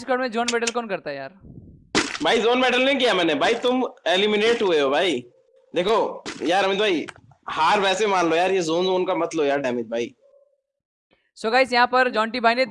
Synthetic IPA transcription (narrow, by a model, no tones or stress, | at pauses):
skəɽmẽzoːnmeːɖəlkɔːnkɐɾt̪aɦɛjaːɾ | bʱaːizoːnmeːɖəlnẽĩkijamɛːnebʱaːit̪ʊmelimɪneːʈɦueɦobʱaːi | d̪eːkʰojaːɾɐmɪd̪baːi | haːɾʋɛːsemãːnlojaːɾjezoːnzoːnkamɐt̪ləojaːɾɖɛːmɪt̪̚bʱaːi | soːɡaːɪsjɐɦãpɐɾd͡ʒɔ̃ːɳʈibʱaːine